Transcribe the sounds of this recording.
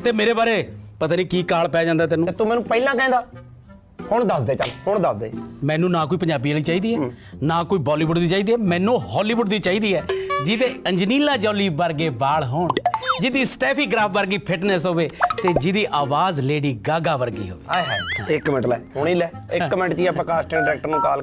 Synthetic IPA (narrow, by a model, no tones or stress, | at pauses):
t̪eːmeːɾeːbaːɾeːpət̪aːniːkiːkaːɭpɛːd͡ʒãːnd̪aːt̪̬ɛːnũt̪umɛ̃ːnũːpɛilãːkɛ̃ːnd̪aː | hʊɳd̪əsd̪eːt͡ʃəlhʊɳd̪əsd̪ḛːmɛ̃ːnũːnaːkoːiːpəɲd͡ʒaːbiːəːliːt͡ʃaːiːd̪iːɛːnaːkoːiːbɔːliːʋʊɖd̪iːt͡ʃaːiːd̪iːɛːmɛ̃ːnũːɦɔːliːʋʊɖd̪iːt͡ʃaːiːd̪iːɛːd͡ʒɪd̪eːə̃ɲd͡ʒniːlãːd͡ʒɔːliːbəɾɡeːbaːɭɦoɳd͡ʒɪd̪iːsʈɛːpʰiːɡɾaːpʰbəɾɡiːpʰɪʈnɛːsɦoːʋeːt̪eːd͡ʒɪd̪iːʔaːʋaːzleːɽiːɡaːɡaːʋəɾɡḭːɦo̰ːʋḛːaaːãɪkːmɪɳʈlɛ̰ːɦʊɳiːlɛːɪkːmɪnʈt͡ʃiːɛːpɾəkaːʃʈẽːɖɪɾɛːk̚ʈəɾnũːkaːl